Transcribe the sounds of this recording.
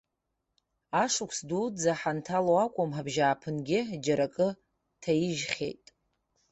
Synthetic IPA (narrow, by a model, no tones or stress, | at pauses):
aʂʊkʷʰsdud͡zaħantʰaloakʷʼʊmħabʒaːpʰɨnɡʲɪd͡ʒaɾakʼɨ | tʰajiʒχʲe̞̰jtʼ